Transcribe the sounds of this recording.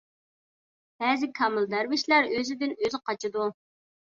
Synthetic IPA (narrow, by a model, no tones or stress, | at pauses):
b̥ɛːzɪkʰɑmɨlˠd̪æɾwɪʃlæɾøzɪd̪ɪnøzɪqɑt͡ʃʰɨd̪u